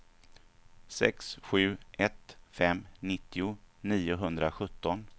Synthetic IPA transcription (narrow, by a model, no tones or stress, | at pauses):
sɛ̰ksɧʉ̟ːʔɛt̪fɛmːnɪt̪ːɪʊniːʊɦɵnd̪ɾaɧɵt̪ːɔn